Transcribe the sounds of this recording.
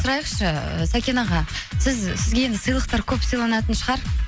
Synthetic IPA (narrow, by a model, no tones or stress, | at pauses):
sʊɾɑjəqʃəə̰sakʲenɑʁɑsɪzsɪzɡʲe̞e̞nd̪ɪsɨjlˠəq̚t̪ɑɾkʲʰɵpsəjlˠɑnɑt̪ənʃəʁɑɾ